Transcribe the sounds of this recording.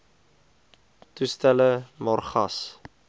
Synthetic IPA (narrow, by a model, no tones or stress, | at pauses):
tustæləmɑrχɐs